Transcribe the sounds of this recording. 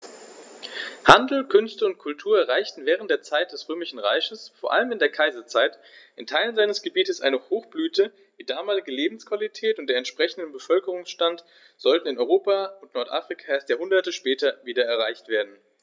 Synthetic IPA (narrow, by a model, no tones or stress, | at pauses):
handl̩kʰʏnstəʊnt̚kʰʊltʰuːɐɛɐʁ̞aɪçtn̩vɛːʁ̞ənt̚d̥eːɐt͡saɪt̚d̥ɛsʁøːmɪʃn̩ʁa̰ɪçəsfoːɐʔa̰ləmɪndeːɐkʰaɪzɐt͡saɪt | ʔɪntʰaɪlənzaɪnəsɡ̥əbiːtəsʔa̰ɪnəhoːxb̥lyːtʰə | d̥iːdaːmaːlɪɡəleːbm̩skv̥alitʰɛːtʊnt̚d̥eːɐɛntʃpʁ̥ɛçn̩dəbəfœlkəʁ̞ʊŋsʃtant | z̥ɔltn̩ɪnɔʏʁoːpaʊntnɔɐtʔa̰ːfʁ̥ikʰaeːɐstjaːhʊndɐtəʃpɛːtʰɐviːdɐɛɐʁ̞aɪçtv̥eːɐdn̩